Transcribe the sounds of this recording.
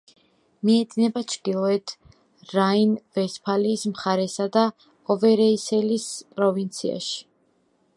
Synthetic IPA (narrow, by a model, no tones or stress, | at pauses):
miɛd̪nɛbat͡ʃʰd̪ilˠɔɛt̪ʰ | ɾainvɛspʰaliːsmχaɾɛsad̪a | ɔvɛɾɛisɛlispʼɾɔvint̪sʰia̰ʃi̥